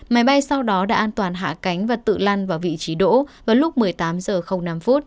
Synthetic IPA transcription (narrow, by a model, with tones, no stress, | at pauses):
maː˨˦jɓa˧jsa˧wɗɔ˨˦ɗa̰ː˧˥ʔaː˧nt̪waː˨˩nɦa̰ː˧˨ka˨˦jŋ̟vaː˨˩t̪ɨ̰˧˨la˧nvaː˨˩vḭ˧˨t͡ɕi˨˦ɗo̰˧˥vaː˨˩lʊ˦˥k͡p̚mɨ˨˩əjt̪aː˨˦mzəː˨˩xə˧wŋ͡mna˧mfu˦˥t̚